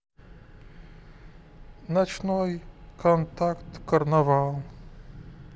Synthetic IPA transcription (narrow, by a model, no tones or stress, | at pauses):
nat͡ʃnɔjkʰɔnt̪akt̪kɐɾnɐvalˠ